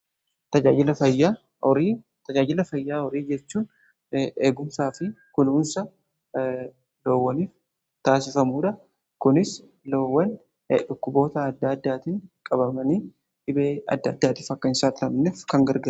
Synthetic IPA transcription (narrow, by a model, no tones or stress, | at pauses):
t̪ɐd͡ʒaːd͡ʒɪlɐfɐjːa | ɔɾiː | t̪ɐd͡ʒaːd͡ʒɪlɐfɐjːaːɔɾiːd͡ʒɛt͡ʃːuːn | eːɡʊmsaːfɪkʊluːnsɐ | lo̞ːwːɐniːf | t̪aːsɪfɐmuːᶑɐ | kʊnɪs | loːwːɐn | ᶑʊkːʊbo̞ːt̪ɐːd̪ːaːd̪ːaːt̪iːŋkʼɐbɐmɐniː | ᶑɪbeːɐ̰d̪ːaːd̪ːaːt̪iːfɐkːɐɪnsaːt̪ɪlɐmneːfkɐŋɡɐɾɡɐ